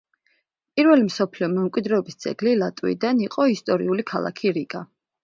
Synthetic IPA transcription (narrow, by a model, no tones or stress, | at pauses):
pʼiɾvɛlimsɔpʰliɔmɛmkʼid̪ɾɛɔbist̪sʰʼɛ̰ɡlilat̪ʼwḭd̪aniqʼɔist̪ʼɔɾḭulikʰalˠa̰kʰiɾikʼa